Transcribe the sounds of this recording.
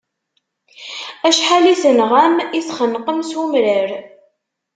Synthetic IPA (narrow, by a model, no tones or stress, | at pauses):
æʃħalisənʁæmiθχənqəmsumɾəɾ